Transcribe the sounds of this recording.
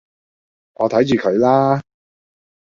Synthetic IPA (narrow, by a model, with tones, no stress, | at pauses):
ŋɔ̰ː˨˧t̪ʰɐ˨˥jt͡ʃyː˨˩kʰɵ˨˧ɥlaː˥